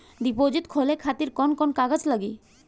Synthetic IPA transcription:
d̪ipod͡ʑit̪kʰolekʰat̪iɾkɔnkɔnkaɡad͡ʑlaɡi

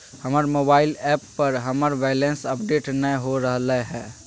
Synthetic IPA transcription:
həməɾmoːbaːɪlɛːpːəɾɦəməɾʋɛlẽnsəpɖeːʈnəɦoɾəɦləɦɛː

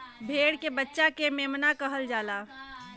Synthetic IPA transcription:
bʱeːɽkebətːʃakemeːmnakəɦəld͡ʒaːlaː

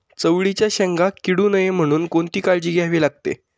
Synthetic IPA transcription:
t͡səʋɭit͡ɕjaɕɛŋɡakiɽuːnəjem̤əɽ̃uːnkoɳt̪iːkaɭd͡ʑiːɡʱaɦʋiːlaɡ̚t̪ḛ

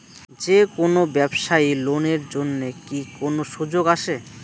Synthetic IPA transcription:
d͡ʑekonobɛbʃailoneɾd͡ʑonːekikonoʃud͡ʑoɡaʃʰe

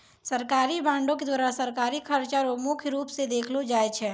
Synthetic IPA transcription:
sɐɾkaːɾibãːɳɖõk̬ed̪waːɾasɐɾkaːɾikʰɐɾt͡ʃaɾomʊkʰjɾuːpsed̪eːkʰlod͡ʒaːet͡ʃʰɛː

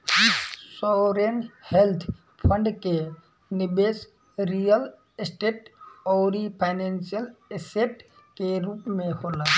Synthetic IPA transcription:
isɔɾenhelt̪ʰ | pʰəɳɖke | nibes | ɾijəl | esʈeʈɔːɾipʰaɪnensijəleseʈ | keɾupmẽhola

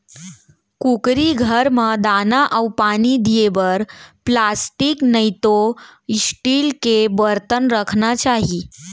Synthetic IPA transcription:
kukɾiɡʱəɾməd̪anaʔəwpanid̪ijeʋəɾplasʈiknəjt̪osʈilkebəɾt̪ənɾəkʰnat͡ɕaɦi

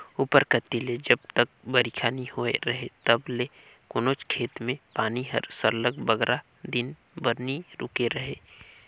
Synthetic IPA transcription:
uːpəɾkət̪ːiled͡ʒəb̚t̪ək̚bəɾikʰaːnihoeɾəɦet̪əble | kʊnoːt͡ʃkʰeːt̪mẽpaːniɦə̰ɾsəɾləɡ̚bəɡɾʔa | d̪ɪn | bəɾniɾʊkeɾəɦe

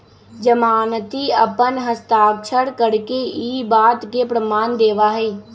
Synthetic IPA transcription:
d͡ʒəmaːnət̪iəpənɦəst̪aːkʃʰəɽkəɾkeiːbaːt̪kepɾəmaːnd̪eːʋaɦɛː

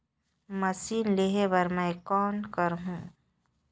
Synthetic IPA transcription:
mɐsiːnleɦebəɾmɛ̃kɔːnkəɾɦũː

